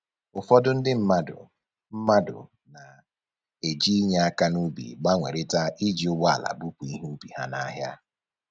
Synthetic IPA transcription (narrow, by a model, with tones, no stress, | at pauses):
ʊ˨fɔ˦dʊ˦n̩˦dɪ˦m̩˦ma˦dʊ̰˨ | m̩˦ma˦dʊ̰˨ | na˨ | e˨d͡ʒi˦i˦ɲe˦a˦ka˦nu˦bḭ˨ɡ͡ba˦ŋʷḛ˨ɾɪ˦ta˦ʔi˦d͡ʒi˨˦ʊ˦ɡ͡bɔ˦a˨la̰˨bu˦pu˨i˦ɦu˦bi˨ɦa˦na˦ɦja˦